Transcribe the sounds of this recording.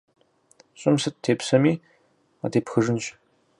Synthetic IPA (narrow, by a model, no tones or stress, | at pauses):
ɕʼɪmsɨt̚tʰːeːpsɐmiː | a̰tʰeːpxɨʐɨnt͡ʃʼ